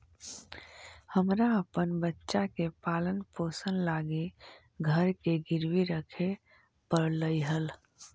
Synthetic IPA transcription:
həmɾaəpənbətːʃakepaːlənpoːsənlaːɡe | ɡʱəɾkeɡɪɾwiɾəkʰe | pəɾləiɦəl

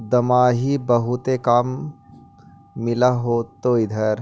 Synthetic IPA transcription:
d̪ɐmaːɦibɐɦut̪ekaːm | ɪlaɦoːt̪oːid̪ʱɐɾ

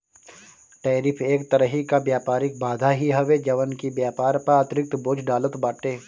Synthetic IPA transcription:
ʈeːɾɪpʰeːkt̪ɐɾəɦikabjaːpaːɾɪk̚bʱaːd̪ʱaɦiɦɐʋed͡ʒɐʋənkibjaːpaːɾpɐɾaːt̪ɾɪk̚t̪boːd͡ʒɖaːlət̪baːʈeː

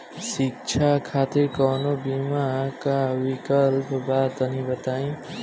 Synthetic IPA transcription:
sik̚t͡ʃʰakʰat̪iɾkʌnobimakawikʌlpbat̪ʌnibʌt̪aĩ

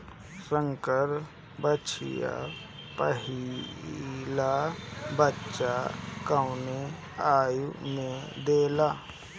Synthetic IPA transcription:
sə̃ŋkəɾ | bət͡ʃʰɪ̰ja̰ | pəɦi | labətːʃakəwne | aːjumẽd̪eːlaː

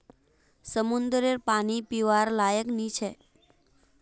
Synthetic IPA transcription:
səmund̪ɾeɾpanipiʋaɾlajəknit͡ʃʰe

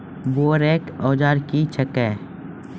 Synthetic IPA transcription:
boːɾeːkɔːd͡ʒaːɾkit͡ʃʰəkɛː

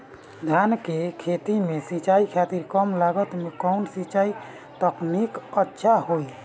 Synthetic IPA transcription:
d̪ʱankekʰet̪imesit͡ʃaikʰat̪iɾkəmlaɡət̪mekəwnsit͡ʃai | t̪əknikətːʃʰahoj

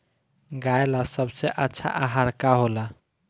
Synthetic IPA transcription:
ɡaelasəbseʔətːʃʰa̰ʔaɦaɾkaɦola

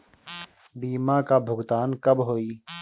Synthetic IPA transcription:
ɖ̪iːmãːkaːbʱʊɡt̪aːnkəbɦoːiː

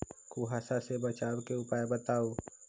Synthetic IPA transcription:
kuɦasasebət͡ʃaːwkeʊpaːjebət̪aːoː

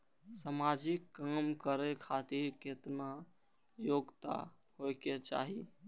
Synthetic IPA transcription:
samad͡ʒikːamkəɾɛkʰat̪iɾket̪na | joɡt̪a̰ | hojket͡ʃa̰ɦi

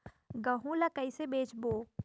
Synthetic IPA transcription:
ɡɐɦũlɐkɐɪsebeːt͡ʃboː

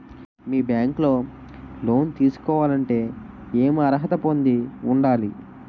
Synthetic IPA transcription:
miːbjaːŋkloː | lo̞ːnt̪iːsu̥kɔːʋaːlɐɳʈe̞ː | eːmɐɾɦɐt̪ɐpo̞nd̪iuɳɖaːli

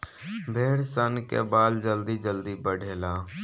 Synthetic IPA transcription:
bʱeːɽsənkḛbaːld͡ʒəld̪id͡ʒəld̪ibəɽʱeːlaː

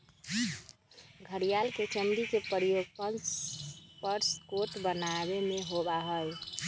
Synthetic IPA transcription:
ɡʱəɾijalket͡ʃəmd̪ikepəɾijoɡpənspəɾskoʈbənabemeɦobaɦəj

